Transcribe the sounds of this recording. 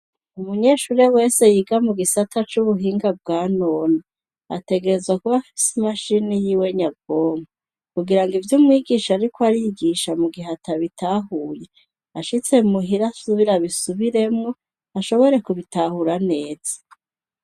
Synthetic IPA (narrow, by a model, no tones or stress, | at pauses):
umuɲe̞ːʃuːɾewe̞ːse̞jiɡamuɡisatʰat͡ʃuβuɦiːŋɡab̚ɡaːnoːna | a̰te̞ɡe̞ɾe̞zwakuβafi̥simaʃinijiːwe̞ɲab̚ɡoːma | kuɡiɾaŋɡivjumŋiːɡiːʃaɾikoaɾijiɡiʃamuɡihataβitʰaːɦuːje̞ | aʃit͡se̞muɦiɾasuβiɾaβisuβiɾe̞mŋo̞ | aʃo̞βo̞ɾe̞kuβitahuɾane̞ːz̥ḁ